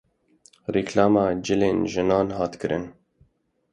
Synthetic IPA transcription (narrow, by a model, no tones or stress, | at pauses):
riklɑːmɑːd͡ʒɪleːnʒɨnɑːnhɑːt̪kʰɨɾʔɨn